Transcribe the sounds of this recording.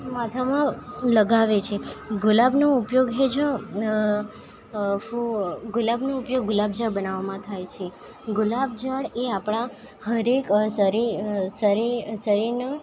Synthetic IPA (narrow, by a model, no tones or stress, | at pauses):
mat̪ʰamãləɡaʋet͡ʃʰeɡʊlabnoʊpjoɡɦed͡ʒə̃ | fuɡʊlabnoupjoɡ̚ɡʊlabd͡ʒaɭbənaʋamãt̪ʰajt͡ʃʰe | ɡʊlab̚d͡ʒəɽeapɽ̃a | həɾeksəɾisəɾisəɾiɾnə